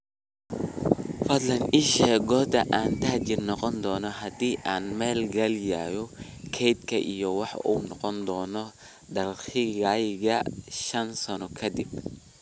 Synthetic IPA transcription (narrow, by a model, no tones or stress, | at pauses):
fɐd̪lɐnɪʃɛːɣɔːd̪ɐʔaːnt̪ʰɐht͡ʃɪrnɔqɔnd̪ɔːnɔɦɐd̪iːʔaːnmɛːlɡɐljaːjɔkʰɛjd̪kʰɐʔijɔwɑħṵːnɔqɔnd̪ɔːnɔ | d̪ɐlxɪɣajɣɐʃɐnsɐnɔkʰɐd̪ɪb̚